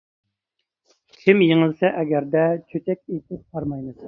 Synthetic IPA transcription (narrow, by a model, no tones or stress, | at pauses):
kʲʰɪmjiŋɪlˠsɛʔɛɡʲɛɾd̪ɛt͡ʃʰøt̪ʰɛkʲet̪ʰɪp̚qʰɑɾmɑjnɨ